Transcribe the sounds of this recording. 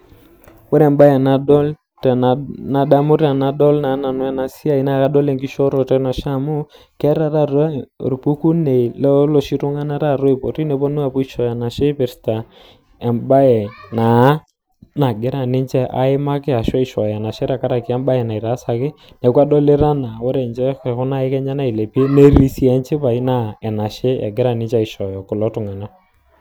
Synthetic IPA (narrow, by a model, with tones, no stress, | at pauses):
wɛ˦ɾɛ˨mba˦jɛ˨na˨ɗɔ˦l | tna˨ɗa˦mu˦ɾa˨na˨ɗɔ˦lna˨˦na˨nwɛ˦˨na˨si˦a˦˨i˨˦na˦˨ka˦ɗɔ˦lɛ˨ŋɡi˦ʃɔ˦ɾɔ˨tɛ˦na˨ʃa˦mu˦ | kɛ˦ɾa˦ɾa˦˨ɾ̰ɾpu˦ku˦ne˨lɔ˦lɔ˨ʃi˦ɾu˦ŋa˦na˦ɾa˦˨ɾɔ˦i˨pɔ˨ɾi˦nɛ˨pɔ˦nu˦a˦˨pɔ˦i˦ʃɔ˨ja˨na˨ʃe˦pɪ˨ɾta˨ | ɛ˨mba˦ɛ˨na˨˦ | na˨ɡɪ˦ɾa˨nɪ˦ɲt͡ʃɛ˦ʔa̰˨˦ɪ˦ma˦kɪ˦a˨ʃɔ˦ɪ˨ʃɔ˨jɛ˨na˨ʃɪ˦ɾa˨ka˦ɾa˨ki˨˦a˦mba˦ɛ˨na˨ɪ˨ɾa˨˦sa˨kɪ˦ | nɛ˨ka˦ɗɔ˦lɪ˦ɾa˦na˨wɔ˦ɾɛ˨nt͡ʃɛ˦ɛ˨kʊ˦na˦ɪ˦kɛ˦ɲa˦na˦i˨le˨pi˦ne˦ɾi˦si˦ɛ˨˦ɲt͡ʃɪ˦pa˨i˦na˦ɛ˨na˨ʃɪ˦ɛ̰˨ɡɪ˦ɾa˨nɪ˦ɲt͡ʃa˦ɪ˨ʃɔ˨jɔ˨kʊ˨lɔ˦tʊ˨ŋa˨na˦